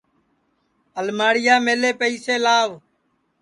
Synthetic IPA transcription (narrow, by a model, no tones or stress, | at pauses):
əlmaːɽɪjaːmeːleːpəiːseːlaːʋ